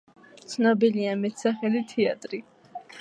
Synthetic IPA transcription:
t̪sʰnɔbiliamɛt̪ʰsaχɛlit̪ʰɛat̪ʼɾi

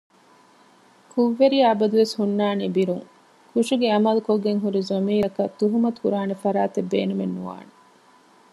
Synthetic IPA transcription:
kʰuʋːeɾijɐːbɐd̪uʋeshunːaːniːbiɾuŋ | kuʂiɡeɐmɐlukoɡːeŋɦuɾizɐmiːɾɐkɐt̪uɦumɐt̪u̥kuɾaːnefɐɾaːt̪ebːeːnumenːuʋa̰ːne

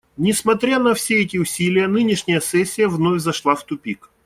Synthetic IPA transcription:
nʲɪsmɐt̪ɾʲanɐfsʲeɛtʲɪʊsʲilʲɪjənɨnʲɪʂnʲɪjəsɛsʲːɪjəvnovʲzɐʂlˠaft̪ʊpʲik

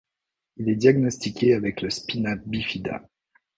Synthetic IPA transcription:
ilɛd̪jaɡnɔst̪ikʲeavɛkləspinap̚bifid̪a̰

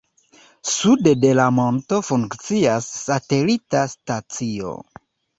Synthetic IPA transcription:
sudde̞lamo̞nto̞fuŋkt͡siasːate̞litastat͡sio̞̰

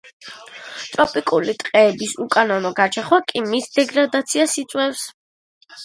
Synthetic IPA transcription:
t̪ʼɾɔpʼikʼulit̪ʼqʼɛːbisukʼanɔnɔɡaɾt͡ʃʰɛχwakʼimisd̪ɛɡɾad̪at̪sʰiasit̪sʼwɛfs

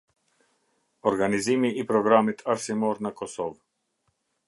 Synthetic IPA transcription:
ɔɾɡanizimiipɾɔɡɾamit̪ʰaɾsimɔɾnakɔsɔv

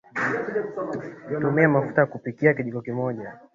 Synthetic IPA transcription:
tumiamafu̥taakupikiakiɗiɡɔkimɔʄa

